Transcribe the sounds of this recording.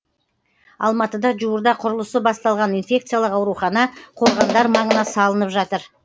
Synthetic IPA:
ɑ̰lˠmɑt̪əd̪ɑʒuwəɾd̪ɑqʰʊɾəlˠəsəbɑst̪ɑlˠʁɑninfʲe̞k̚t̪sɨjalˠəqɑwɾuχɑnɑqʰoɾʁɑnd̪ɑɾmɑɴənɑsɑlˠənəpʒɑt̪əɾ

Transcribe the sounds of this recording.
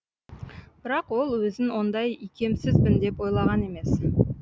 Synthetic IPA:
b̥ɪɾɑqwo̞lˠwɵzɪnwo̞nd̪ɑjikʲe̞msɪzbɪnd̪e̞pwo̞jlˠɑʁɑne̞me̞s

